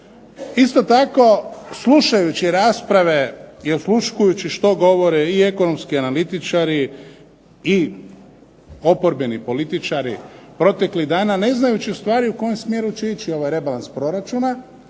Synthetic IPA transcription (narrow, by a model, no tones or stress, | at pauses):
ist̪o̞t̪ako̞slˠuʃajut͡ɕiɾaːspɾaʋe̞iosluʃkujut͡ɕiʃt̪o̞ɡo̞ʋo̞ɾeie̞ko̞no̞mskianalit̪it͡ʃaːɾi | i | o̞po̞ɾbenipo̞lit̪it͡ʃaɾḭpɾo̞t̪e̞kliɣd̪aːnane̞znajut͡ɕiust̪ʋaːɾiuko̞jemsmjeːɾut͡ʃeit͡ʃio̞ʋajɾe̞balanspɾo̞ɾat͡ʃuna